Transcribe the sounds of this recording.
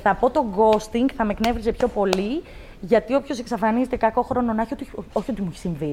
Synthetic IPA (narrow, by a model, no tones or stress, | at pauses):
θɐpo̞t̪o̞ɡo̞st̪iŋɡθɐme̞kne̞vɾize̞pço̞po̞li | ʝɐt̪io̞pço̞se̞ksɐfɐnize̞t̪e̞kɐko̞xɾo̞no̞nɐçot̪uoçot̪imuçi̥siɱvi